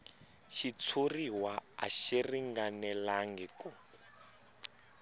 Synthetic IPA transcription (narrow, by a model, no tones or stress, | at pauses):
ʃit͡sʰuriɦwaa̰ʃiriŋɡanɛlaŋɡiku